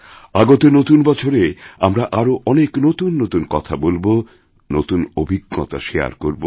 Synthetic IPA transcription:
aɡot̪enot̪unbɔt͡ɕʰoɾeamɾaʔaɾoʔɔneknot̪unːot̪unkɔt̪ʰabolbo | not̪unobʱiɡːɔ̰t̪a̰ʃea̰ɾkoɾbo

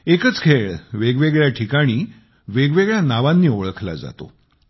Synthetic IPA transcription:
ekət͡skʰeɭʋeɡʋeɡɭjaʈʰikaɽ̃iː | ʋeɡʋeɡɭjanaʋanːiːoɭəkʰla̰d͡za̰t̪o̰

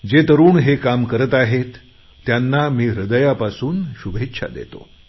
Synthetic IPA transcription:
d͡ʑet̪əɾuːɳɦekamkəɾət̪aɦet̪ː | janːamiːɾəd̪əjapasuːnɕubʱet̪ːɕʰa̰d̪ḛt̪o̰

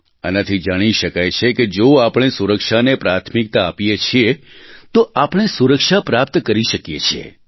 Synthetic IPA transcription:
ə̰nat̪ʰid͡ʒaɽ̃iʃəkajt͡ʃʰeked͡ʒoapɽ̃esuɾəkʃanepɾat̪ʰmik̚t̪aːpijet͡ʃʰiet̪oʔapɽ̃esuɾəkʃapɾap̚t̪kəɾiʃəkjḛt͡ʃʰiḛ

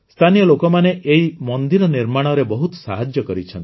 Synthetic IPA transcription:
st̪ʰanijɔlokɔmaneʔeimɔnd̪iɾɔniɾmaɽ̃ɔɾebɔɦut̪sa̰ɦad͡ʒjɔkɔɾit͡ʃʰɔnt̪

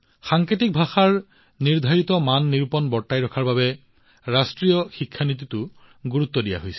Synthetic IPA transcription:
xaŋketik̚bʱaxaɹ | niɹd̪ʱaɹit̪ɔmanːiɹupɔnbɔɹtːajɹɔkʰaɹbabɛ | ɹastɹijɔxikʰːanit̪̬itʊ | ɡuɹut̪ːɔdija̰ɦojsɛ̥

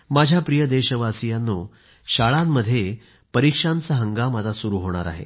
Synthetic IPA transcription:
mad͡ʑʱjapɾijəd̪eɕəʋasijanːoː | ɕaɭamːəd̪ʱːje | pəɾikʂant͡saɦəŋɡamad͡zasuɾuɦoɽ̃a̰ɾa̰ɦḛ

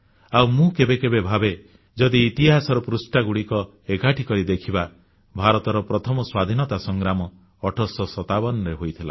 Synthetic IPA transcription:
awmũkebekebebʱabe | d͡ʒɔd̪iːt̪iɦasɔɾɔpɾusʈaɡuɽikɔ | eɡʱaʈʰikɔɾid̪ekʰiba | bʱaɾɔt̪ɔɾɔpɾɔt̪ʰɔmɔswad̪ʱinɔt̪asɔŋɡɾamɔː | ʈʰɔsɔsɔt̪abɔnɔɾeɦojt̪ʰila̰

